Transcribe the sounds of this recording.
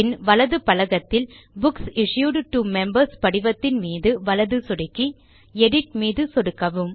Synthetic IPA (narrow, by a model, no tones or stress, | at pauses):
ɪnʋɐlɐðɯpɐlɐɣɐt̪ːɪl | bʊksɪʂjuːɖʈumɛmbɐɾspɐɽɪʋɐt̪ːɪnmiːðɯʋɐlɐðɯsɔɽɪkːi | ɛɽɪʈ̚miːðɯsɔɽɯkːɐʋɯm